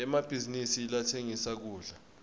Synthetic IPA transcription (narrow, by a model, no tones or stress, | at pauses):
ɛmab̥ʱizinisiːlatʰeŋisak̬uːɮa